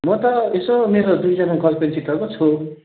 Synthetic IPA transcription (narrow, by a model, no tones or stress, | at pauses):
mʌt̪ʌesomeɾod̪ujd͡zʌnaɡʌlpensit̪ʰːʌkot͡sʰu